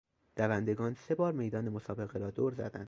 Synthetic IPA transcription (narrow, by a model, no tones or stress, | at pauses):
d̪̥ævænd̪e̞ɡɒːnse̞bɒːɾme̞jd̪ɒːnemosɒːbe̞ɣeɾɒːd̪oːɾzæ̰d̪æ̰nd̪̥